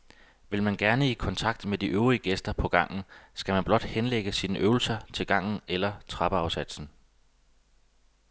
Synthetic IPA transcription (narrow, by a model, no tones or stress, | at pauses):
ʋe̝lmænɡ̥æɐnəikʰɒ̽nt͡sʰɑ̈ɡ̥̚d̥med̥iʔøʊʁiəɡ̥esd̥ɐpʰɒ̽ɡ̥ɑ̈ŋ̰n̩sɡ̥æmænb̥lɒ̽d̥henleɡ̥əsiːnəʔøːʊl̩sɐt͡sʰe̝lɡ̥ɑ̈ŋ̰n̩elɐt͡sʰʁɑ̈b̥əɑ̈ʊsæd̥sn̩